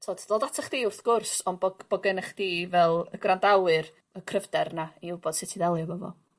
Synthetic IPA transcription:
tʰoːd̥d̥oːdatʰaχd̥iːʊrθɡ̥ʊrsɔnbɔɡb̥ɔɡɪnəχd̥iːvɛlˠəɡrandawɨr | əkʰrəvdɛrnaiuwbɔd̥sɪtʰiðɛlˠjɔvɔvɔ̰

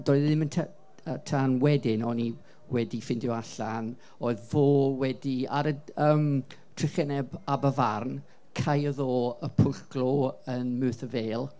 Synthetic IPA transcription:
dɔɨððɪməntʰa | ətʰanwɛdɪnɔni | wɛdifɪndjɔaɬan | oɨðvoːwɛdia̰ɾəəːm | tʰrɪχɛnɛbabəvarn | kʰajəðoːəpʰʊɡlɔənmʉːθəveːlˠ

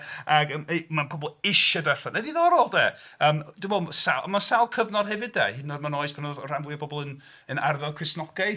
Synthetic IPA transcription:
aɡəmanpʰɔbɔlˠɪʃadaranaðiðɔɾɔlˠdɛːəːmd̥wbɛsaʔəmasalˠkʰəvnɔd̥hɛvɪdɛ̰hɪnɔdmanɔɨspʰanɔðɔr̥anviɨbɔbɔlˠən | ənarðɛlˠkʰrɪsnɔɡaj

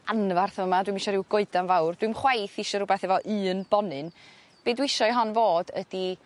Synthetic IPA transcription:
anvarθəmadwimɪʃɔɾɪwɡoɨdanvawrd̥wiɨmχwajθɪʃɔɾʊbɛθɛvɔʔɨːnb̥ɔnɨn | b̥eːdwɪʃɔiɦɔnvoːdə̰d̥i

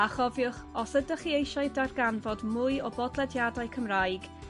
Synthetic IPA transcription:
aχɔvjʊχɔsədəχiejʃaɨdarɡanvɔdmʊɨɔbɔdlˠɛdjadaɨkʰəmrajɡ̥

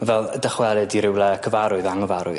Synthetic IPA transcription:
vɛlˠdəχwɛlˠɨdiɾɪwlˠɛkʰəvaɾʊɨðaŋəvaɾʊ̰ɨ

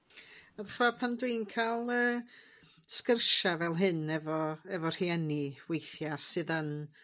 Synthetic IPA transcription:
aðaχvapʰandwɨnkʰalˠəː | skərʃavɛlˠɦɨnɛvɔɛvɔr̥iɛniwejθjasɨðən

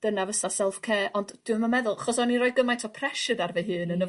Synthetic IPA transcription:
d̥ənavəsasɛlˠfkʰeːɔnd̥d̥uəməmɛðʊlˠaχɔsɔnirɔːɨd̚ɡəmajtʰɔpʰrɛʃɨdarvɛɦɨːnənə

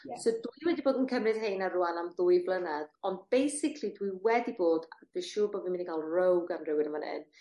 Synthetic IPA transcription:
sodujwɛdiboːdənkʰəmrɨð̥hejnaruanamðʊjblˠənaðɔnd̚b̥ejsɪkʰlˠidwiwɛdiboːdveʃuːboːdvinmɪndikʰaːlˠrowɡanrɪwɪnəmanɪ̰n

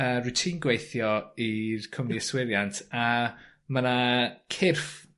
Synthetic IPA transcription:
əːrutʰiːnɡwejθjɔirkʰəmniəswɪɾjantʰa | mənakʰɪrf

